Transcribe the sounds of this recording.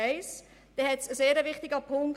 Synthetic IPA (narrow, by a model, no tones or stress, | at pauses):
ɛɪs | d̥ɛhɛtsəseːɾəvɪχtɪɡəpʰʊŋk